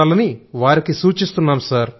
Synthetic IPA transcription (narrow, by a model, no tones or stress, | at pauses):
aːlɐniʋaːɾikisuːt͡ʃist̪unːaːmsaːɾ